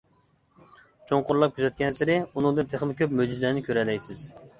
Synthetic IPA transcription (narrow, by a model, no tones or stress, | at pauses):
t͡ʃʰoɴqʊɾlˠɑp̚kʲʰyzɛt̪̚kʲʰɛnsɪɾɪunɨŋd̪ɨnt̪ʰeχmɪkʲøpmød͡ʒizlænɪkʲʰøɾɛlɛjsɪz̥